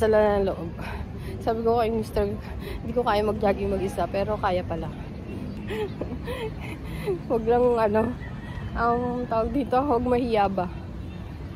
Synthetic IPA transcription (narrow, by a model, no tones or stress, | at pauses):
sɐlanɐŋloʔob̚ | saːbɪkokɐjʊŋmist̪ɛɹ | hɪnd̪iːkokaːjɐmɐɡ̚d͡ʒaːɡɪŋmɐɡʔɪsapɛːɾokaːjɐpɐla | wɐɡlɐŋʔɐno̞ | ʔɐŋt̪aːwɐɡ̚d̪iːt̪o̞wɐɡ̚mɐhijaba